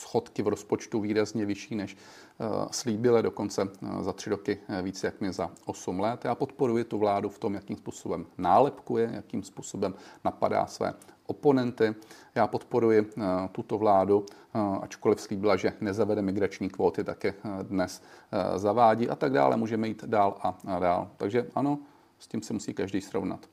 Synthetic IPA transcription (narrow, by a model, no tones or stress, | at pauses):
sxo̞t̪kɪvɾo̞spo̞t͡ʃt̪uviːɾazɲɛvɪʃiːnɛʃ | sliːbɪlado̞ko̞nt͡sɛzat̪r̝̥ɪɾo̞kɪviːt͡sjakmɪzaʔo̞sumlɛt̪jaːpo̞t̪po̞ɾujɪt̪uvlaːduft̪o̞mjakiːmspuːso̞bɛmnaːlɛpkujɛja̰kiːmspuːso̞bɛmnapa̰da̰ːsvɛ̰ːʔo̞po̞nɛnt̪ɪjaːpo̞t̪po̞ɾujɪt̪ut̪o̞vlaːdu | ʔa̰t͡ʃko̞lɪfsliːbɪlaʒɛnɛzavɛdɛmɪɡɾat͡ʃɲiːkvo̞ːt̪ɪt̪akɪdnɛszavaːɟiːʔat̪aɡda̰ːlʔɛ̰muːʒɛmɛjiːt̪daːlʔadaːlt̪aɡʒɛʔano̞ | scimsɛmusiːkaʒdɛjsɾo̰vna̰t̪